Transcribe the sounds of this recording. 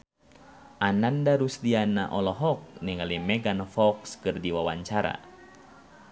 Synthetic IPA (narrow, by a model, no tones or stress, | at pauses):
ʔanandaɾusdianaʔɔlɔɦɔk̚niŋalimɛɡanfɔkskɨrdiwawaɲt͡ʃaɾa̰